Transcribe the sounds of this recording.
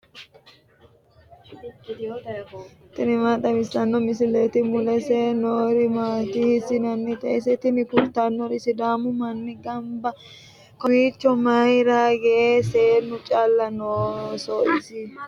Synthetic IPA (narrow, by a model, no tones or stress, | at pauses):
t̪ɪnɪmaːt̪ʼɐmɪsɐnːɔmɪsɪlɛt̪ɪmʊlɛsenoːɾɪmaːt̪ɪhɪsɪnɐnːɛt̪ɐʔɛsɛt̪ɪnɪkʊɾt̪ːɐnːɔɾɪsɪd̪aːmʊmɐnːɪɡɐmbɐ | kɔwiːt͡ʃːɔmɐjɾaɡɛʔeːseːnːʊt͡ʃʼɐlːɐnoːsɔʔɪsɪ